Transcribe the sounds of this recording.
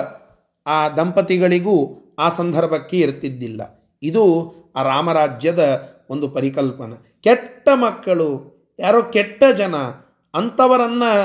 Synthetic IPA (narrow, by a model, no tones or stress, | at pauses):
aːd̪ʱɐmpɐt̪iɡɐɭiɡuːaːsɐnd̪ʱɐɾbʱɐkːeiɾt̪id̪ːilːɐ̰ | id̪u | aːɾaːmɐɾaːd͡ʒjɐd̪ɐ | o̞nd̪upɐɾikɐlpɐnɐ | kɛʈːɐmɐkːɐɭu | jaːɾoːkɛʈːɐd͡ʒɐnɐː | nt̪ɐʋɐɾɐnːɐ